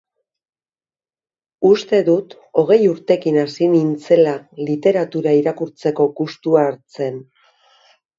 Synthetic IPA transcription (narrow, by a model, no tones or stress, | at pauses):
ust̪e̞ðut̪ | o̞ɣ̞e̞juɾt̪e̞kinasinint͡se̞lalit̪e̞ɾat̪uɾaiɾakuɾt͡se̞ko̞ɡust̪uaːɾt͡se̞n